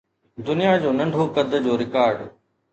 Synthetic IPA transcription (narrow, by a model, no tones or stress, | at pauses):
d̪ʊnijad͡ʑoːnɐ̃ɳɖʱokɐd̪ʱəd͡ʑoːɾɪkaːɾɖ